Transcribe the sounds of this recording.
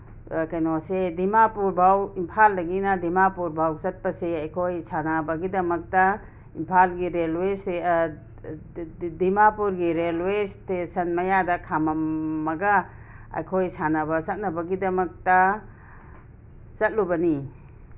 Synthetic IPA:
kajnosedimapuɾbʱawimpʰaldɐɡinɐdimapuɾbʱawt͡ʃɐt̚pɐseɐjkʰojsanabɐɡidɐmɐk̚tɐ | impʰalɡiɾelwese | dimapuɾɡiɾelwestesɐnmɐjadɐkʰamɐmmːɐɡɐ | ɐ̰jkʰojsanɐbɐt͡ʃɐt̚nɐbɐɡidɐmɐk̚tɐ | t͡ʃɐt̚lubɐni

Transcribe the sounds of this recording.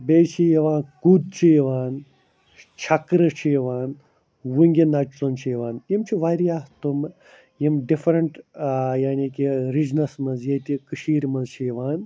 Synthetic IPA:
beːt͡ʃʰijɐʋaːnkud̪̚t͡ʃʰijiʋaːn | t͡ʃʰɐkɾɐt͡ʃʰijiʋaːn | wuŋɡʲinɐt͡ʃt͡sont͡ʃʰijʋaːnjimt͡ʃʰiʋaɾijaːht̪um | jimɖifɾɐɳʈjaːnikiɾid͡ʒnɐsmɐnzjet̪ikɨʃiːɾmɐnzt͡ʃʰijiʋaːn

